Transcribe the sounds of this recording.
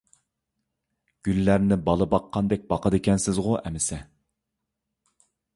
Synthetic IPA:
ɡ̥ʲylːæɾnɪbɑlˠɨbɑqʰːɑnd̪ɛk̚ʲbɑqʰəd̪ɪkʲɛnsɪzʁʊʔɛ̰mɪsɛ

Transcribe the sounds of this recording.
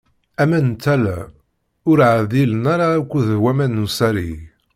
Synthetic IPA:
æmænt̪ːælæ̰ | ʊɾʕðilənaɾaːkʷːuðhwæmænːusæɾḭ

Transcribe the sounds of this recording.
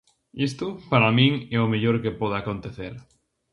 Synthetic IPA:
ist̪ʊpaɾamĩŋɛomeʎoɾkepɔð̞akont̪eθeɾ

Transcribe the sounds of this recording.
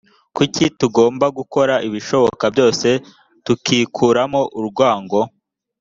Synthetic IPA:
kucituɡo̞ːmbaɡuko̞ɾaʔiβiʃo̞βo̞̰kabjo̞ːse̞ | tukiːkʰuːɾamoʔuɾɡwaːŋɡo̞

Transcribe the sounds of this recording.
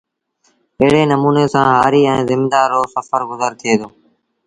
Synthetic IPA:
əɦɽeːnəmuːneːsãːɦaːɾiːɛ̃ːzɪmd̪aːɾoːsəfəɾɡʊzəɾt̪ʰɪeːd̪oː

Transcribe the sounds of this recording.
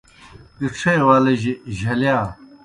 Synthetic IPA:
kiʈ͡ʂʰejwaːlɐʑiʑɐljaː

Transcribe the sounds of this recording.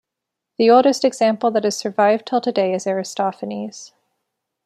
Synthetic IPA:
ðioʊlˠdɨstɨɡz̥æ̃mpl̩ˠðɨɾɨz̥sə˞vaɪvd̚tʰəlˠtʰɨdeɪɨzɛɹɨstɑfɨniz̥

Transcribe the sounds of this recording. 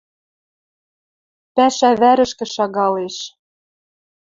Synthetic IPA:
pæʃæβæɾə̆ʃkɘ̆ʃɑɣɑleʃ

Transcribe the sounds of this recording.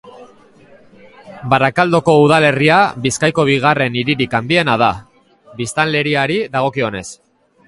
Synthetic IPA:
baɾakald̪o̞ko̞uð̞ale̞riaβiskajko̞β̞iɣ̞are̞niɾiɾikand̪ie̞naða | βist̪anle̞ɾiaɾiðaɣ̞o̞kio̞ne̞s

